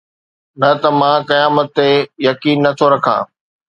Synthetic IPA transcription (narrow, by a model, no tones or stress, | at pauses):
nɐt̪ɐmãkɐjaːmət̪ːejɐkiːnːɐt̪ʰoɾɐkʰã̰ː